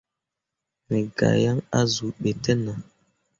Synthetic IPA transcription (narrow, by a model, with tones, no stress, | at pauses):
mɛ˨ɡa̰˨ja˦ŋa˦zu˨ɓɛ˨tɛ˦na˨